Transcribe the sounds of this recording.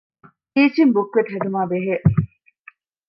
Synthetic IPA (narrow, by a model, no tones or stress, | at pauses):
iːt͡ʃimbukːʋeʈɦeɖumaːbeɦeːʔ